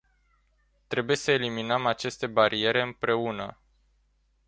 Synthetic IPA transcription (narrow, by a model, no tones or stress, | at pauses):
t̪ɾe̞buje̞səe̞liminəmat͡ʃe̞st̪e̞baɾʔie̞ɾe̞ɨmpɾe̞unə